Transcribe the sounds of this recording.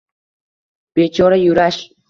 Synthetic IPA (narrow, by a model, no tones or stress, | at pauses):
pet͡ʃoɾajʊɾaʃ